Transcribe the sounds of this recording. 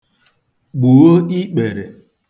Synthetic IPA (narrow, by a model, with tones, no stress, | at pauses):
ɡ͡bu˨o˦i˦k͡pe˨ɾe˨